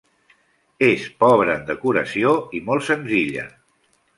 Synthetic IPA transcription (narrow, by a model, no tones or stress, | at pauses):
espɔβɾəːnd̪əkuɾəsioimɔlˠsənziʎə̰